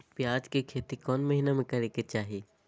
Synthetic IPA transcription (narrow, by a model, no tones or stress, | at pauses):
pjaːd͡ʒkekʰeːt̪ikɔːnmɐɦinamẽkɐɾeket͡ʃaːɦieː